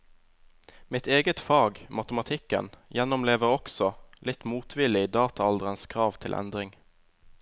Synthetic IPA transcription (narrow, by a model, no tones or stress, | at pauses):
mɪt̪ʰeːɡət̪fɑːɡmɑt̪əmɑt̪ʰɪkə̰njɛnɔmleːʋəʁɔksɔlɪt̪muːt̪ʰʋɪlɪd̪ɑːt̪ʰɑɑld̪əʁənskʰʁɑːʋt̪ʰɪlʔɛ̰nd̪ʁɪŋ